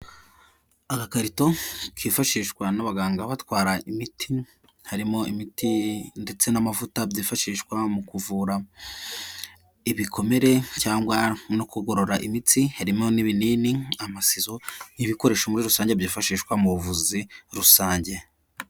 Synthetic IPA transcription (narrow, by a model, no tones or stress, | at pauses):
akakaɾito̞kʰiːfaʃiːʃkwanaβaɡaːŋɡaβatwaːɾaʔimitʰi | haɾimo̞imitʰinde̞t͡se̞namavutabɟiːfaʃiːʃkwamukuvuːɾa | iβikʰo̞me̞ɾe̞caːŋɡwano̞kuɡo̞ɾo̞ɾaʔimitihaɾimo̞niβiniːniamasizo̞niβiko̞ɾe̞ːʃomuɾiɾusaːɲɟebjiːfaʃiːʃkwamuɾuvuziɾusaːɲɟe̞